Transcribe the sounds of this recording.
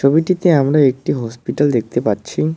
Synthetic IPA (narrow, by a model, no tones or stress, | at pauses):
obiʈit̪eamɾaek̚ʈiɦɔspiʈald̪ek̚ʰt̪epaɾt͡ɕʰi